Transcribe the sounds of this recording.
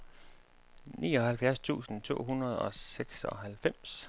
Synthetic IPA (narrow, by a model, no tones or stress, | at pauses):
nḭːɒ̽hælfjæɐst͡sʰṵːsn̩t͡sʰo̝̰ːɦunɐð̞̩ˠɒ̽seɡ̥sɒ̽ɦælfem̰s